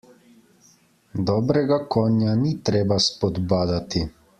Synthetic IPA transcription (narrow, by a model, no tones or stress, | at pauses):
d̪ɔːbɾɛɡakɔːnjanit̪ɾeːbaspɔd̪baːd̪at̪i